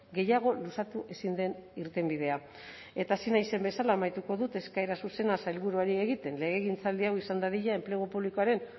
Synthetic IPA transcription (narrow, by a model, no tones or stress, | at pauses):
ɡe̞jaɣ̞o̞lusat̪uʔe̞sind̪e̞niɾt̪e̞mbið̞e̞a | e̞t̪aːsinajse̞mbe̞salaːmajt̪uko̞ðut̪e̞skaeɾasuse̞nasajlβuɾuaɾie̞ɣ̞it̪e̞nle̞ɣ̞eɣint͡sald̪iawisand̪aðiʎae̞mple̞ɣ̞opuβlikoaɾe̞n